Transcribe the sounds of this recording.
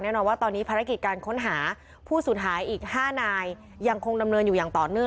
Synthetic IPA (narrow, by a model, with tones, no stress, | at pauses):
nɛː˥˩nɔː˧nwaː˥˩t̪ɔː˧nːiː˦˥pʰaː˧ɾa˦˥ki˨˩t̪̚kaː˧nkʰo˦˥nɦaː˩˦ | pʰuː˥˩suː˨˩t̚ɦʰaː˩˦jʔiː˨˩k̚haː˥˩naː˧jː | a˧ŋkʰo˧ŋda˧mnɤː˧njuː˨˩jaː˨˩ŋt̪ɔː˨˩nɯ˥˩ə